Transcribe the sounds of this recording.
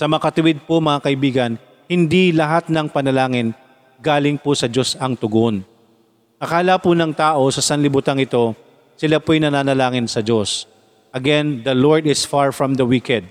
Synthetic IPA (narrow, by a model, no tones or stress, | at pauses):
sɐmɐɐkɐt̪ʊwɪd̪̚pʊmɐŋakɐʔɪbiːɡɐn | hɪnd̪ilɐɦat̪̚nɐŋpɐnɐlaːŋɪn | ɡaːlɪŋpʊsɐd͡ʒo̞sɐŋt̪ʊɡon | ʔɐkaːlapʊnɐŋt̪aːʔo̞sɐsɐnlɪbut̪aŋɪt̪o̞ | sɪlapʊɐjnɐnaːnɐlaːŋɪnsɐd͡ʒos | ʔɐɡɛnd̪ɐloɹd̪ɪsfaɹfɹɐmd̪ɐwikɛd̪̚